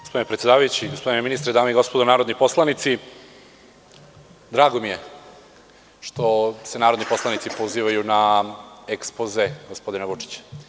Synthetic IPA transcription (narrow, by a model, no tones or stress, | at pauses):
ɡospod̪inepɾet̪sjeaːʋajut͡ɕiɡospd̪ineminist̪ɾed̪aːmeiɡo̞spod̪onaːɾod̪niposlˠanit̪si | d̪ɾaːɡomije̞ | ʃt̪o̞senaːɾod̪nipo̞slˠanit̪sipoziːʋajuna | ekspozeɡospo̞d̪inaʋut͡ʂi̥t͡ɕ